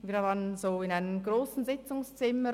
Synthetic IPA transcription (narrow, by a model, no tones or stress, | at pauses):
viːɐvaːʁənzoːɪnaɪnəmɡʁoːsn̩zɪt͡sʊŋst͡sɪmə